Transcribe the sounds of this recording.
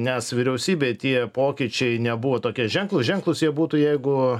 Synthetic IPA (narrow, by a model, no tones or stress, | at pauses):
nʲɛsʋʲiɾʲɛʊsʲiːbʲeːt̪ʲiɛpoːkʲiːt͡ʃʲɛɪnʲɛbuʋoːt̪oːkʲiɛʒʲɛŋklˠʊsʒʲɛŋklˠʊsjiɛbuːt̪uːjɛɪɡʊ